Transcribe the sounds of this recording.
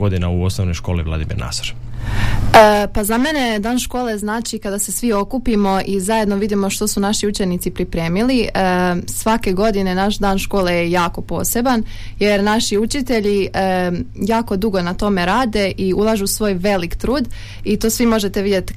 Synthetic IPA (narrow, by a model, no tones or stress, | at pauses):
od̪ina̰uosnoʋno̞jʃko̞ːliʋlˠa̰d̪imḭɾna̰so̥ɾ | əpazame̞ne̞d̪aːnʃko̞ːle̞znaːt͡ʃikad̪ase̞sʋio̞kupimo̞ʔizaje̞d̪no̞ʋid̪imo̞ʃt̪o̞sunaʃiut͡ʃenit̪sipɾipɾe̞ːmiliəsʋake̞ɡo̞d̪ine̞naʃd̪aːnʃko̞ːle̞jejaːko̞po̞ːse̞ban | je̞ɾnaʃiut͡ʃit̪e̞ʎiəjaːko̞d̪uɡo̞nat̪o̞me̞ɾaːd̪e̞ʔiulˠaʒusʋo̞ːjʋe̞likt̪ɾuːd̪ | it̪oːsʋimo̞ʒe̞t̪e̞ʋid̪je̞t̪